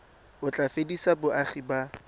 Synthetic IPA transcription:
ʊt͡ɬʼafedisabʊʔaχiba

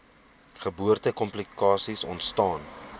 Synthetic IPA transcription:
χəbuərtəkɔmplikɑːsisɔntstɑːn

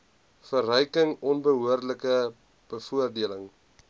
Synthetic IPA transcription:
fərɦœjkəŋɔnbəɦuərdləkə | b̥əfuərdiələŋ

